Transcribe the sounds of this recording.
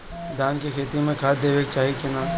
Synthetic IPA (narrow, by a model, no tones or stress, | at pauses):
d̪ʱaːnkekʰeːt̪ijõmẽkʰaːd̪eːʋeːk̚t͡ʃaːɦikena